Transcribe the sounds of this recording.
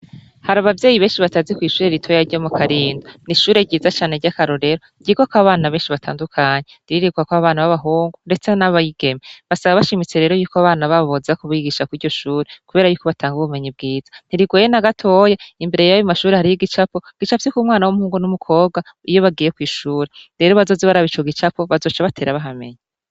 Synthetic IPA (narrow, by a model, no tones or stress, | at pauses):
haɾaβavje̞ːjiβe̞ːnʃiβatazikwiːʃuːɾeɾitʰo̞jaɾɟomukʰaɾiːndoniʃuːɾe̞ɟiːzat͡ʃaːneɾɟakaɾo̞ɾe̞ɾo | ɟ̥iɡokaβaːnaβeːnʃiβatʰa̰ːndukʰaɲeɾiiɾiɡuakwaβaːnaβaβaɦuːŋɡunde̞t͡senaβajiɡ̥e̞meβasaβaβaʃimit͡se̞ɾeːɾo̞juːkoaβaːnaβaββozakuβiɡiːʃakwiɾɟo̞ʃuːɾekuβeɾajuːko̞βatʰaːŋɡuβume̞ɲib̚ɡiːz̥ḁn̥iɾiɡojenaɡatʰo̞ːjaimbe̞ɾejajumaʃuːɾe̞haɾijiɡit͡ʃapo̞ɡ̥it͡ʃaptikumŋwaːnawomuhuːŋɡonumukʰo̞ːbɡa | ijo̞βaɡiːjekwiːʃuːɾe̞ɾe̞ɾo̞βazo̞ːzeβaɾaβit͡ʃoɡit͡ʃapo̞βazo̞t͡ʃaβatʰeːɾaβaɦame̞̰ɲa